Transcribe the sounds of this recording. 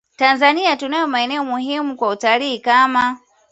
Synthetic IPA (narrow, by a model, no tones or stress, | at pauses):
tanzaniatunajɔmaɛnɛɔmuɦimukwautaliikama